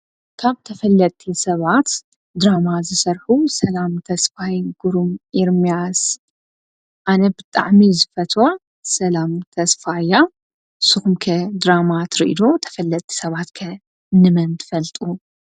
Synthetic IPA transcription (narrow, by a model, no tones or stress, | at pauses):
kʰaβt̪ʰɐfɐlːɐt̪ʼʰːisɐβat̪ | d̪ɾamazɨsɐɾħusɐlamt̪ʰɐsfajɡuɾumʔiɾmijas | ʔanɐbɨt̪ʼa̰ʕmizɨfɐt̪ʰwo | sɐlamt̪ʰɐsfaja | sɨxumkʰɐd̪ɾamat̪ʰɾiʔḭd̪o̞t̪ʰɐ̥fɐlːɐt̪ʼʰːi̥sɐβat̪kʰɐ | nɨmɐnt̪ʰɨfɐlt̪ʼu